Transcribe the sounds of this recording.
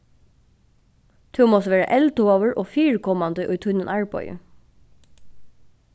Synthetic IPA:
t̪ʰʉːmɔsʋeːɹə̰ʔɛlt̪ʊoːʋəɹʔoːfiːɹəkʰɔmɑnd̪əʔʉːt̪ʰʉnənʔæɹbɔ̰ʏə̰

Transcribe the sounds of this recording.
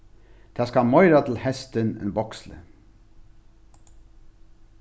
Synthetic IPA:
d̪̥ʰæːskɑmɔʏɾɑt̪ʰl̩hɛst̪ənḛnbɔkslə̰

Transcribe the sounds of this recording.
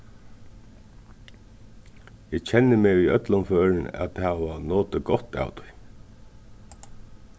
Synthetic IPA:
ɪt͡ɕʰɛnːəmeːʋiœt̪lʊnføːɹɪnæ̰t̪hæːʋanoːt̪əɡɔht̪a̰ːwt̪ʰʊ̥j

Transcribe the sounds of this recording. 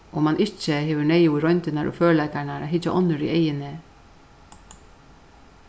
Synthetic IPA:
ʔɔmanʔɪht͡ʃːəhɛːvʏɳeːjuɪɾɔɥnt̪ɪnaɾʔɔ̰føːlajkanaɾʔa̰ðɦɪt͡ʃaʔɔnːʏɾḭejɪnɪ

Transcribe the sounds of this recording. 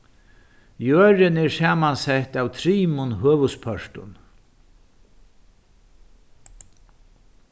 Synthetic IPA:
jøːɾɪnɛɹsaːmansɛht̪awt̪ʰɾiːmʊnɦøːʋʊspʰœʂt̪ʊ̰n

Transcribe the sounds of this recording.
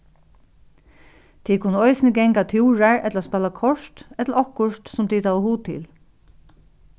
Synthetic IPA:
t̪ʰiːkʰʊnəɔɪsɪnəɡɛŋkat̪ʰjuːɹaɹɛt̪laspɛːlakʰɔʂt̪ɛt̪laɔhkʊʃt̪sʊmt̪ʰit̪ʰawəhuːt̪ʰɪ̰l

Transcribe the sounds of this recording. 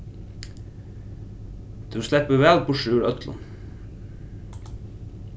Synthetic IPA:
d̪ʰʉslɛpəʋælpʰoːʃʉːɹœt̪ʰlʊ̰n

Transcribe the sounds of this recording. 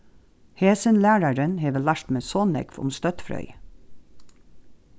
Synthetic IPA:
heːsənlæːɹɑɾənheːʋəlæʃt̪meːsoːnɛ̰kfʊ̰mst̪œt̪fɾœ̰ʏ

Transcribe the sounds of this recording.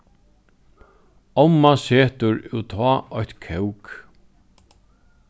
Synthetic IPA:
ɔmːaseːt̪ʊɹɪwt̪ʰɔːɔçt̪kʰɛwk

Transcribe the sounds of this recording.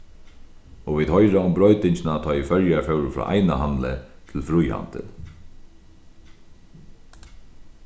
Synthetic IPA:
ɔʋiːd̪hɔjɾaʊmbɾɔʏt̪ɪɲt͡ʃɪnat̪ʰɔːɪfœɾjafœwɾfɾɔ̰ːʔa̰jnaɦanlɪt̪ʰɪlfɾujha̰nt̪ɪ̰

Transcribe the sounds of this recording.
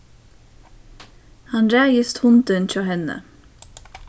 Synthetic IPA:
hɑnɾæːjəst̪hʊnd̪ənc͡çɑːhɛnə̰

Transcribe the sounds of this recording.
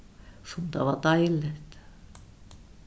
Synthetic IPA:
sunt̪ɑʋɑt̪ɑilːet̪ː

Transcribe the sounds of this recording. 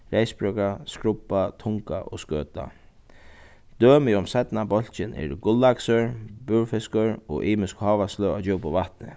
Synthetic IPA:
ɾejsbɹœkɾaskɾʊpːat̪ʰʊŋka̰ʔɔ̰skøːt̪a̰ | d̪̥øːmɪʊmsɛt̪nabɔl̥t͡ʃɪnɛ̰ɾɡʊlːaksʏɹbuɹfɪskʊɹɔʔiːmɪskhɑːʋaslœa̰d͡ʑowpʊʋaht̪nɪ̰

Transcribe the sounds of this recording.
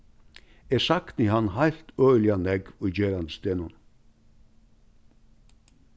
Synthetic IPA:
eːsɑkt̪niːhɑnhɑlt̪ʰœʏlɪɑnɛɡɔd͡ʒeːɾɑnd̪əst̪eːnʊn

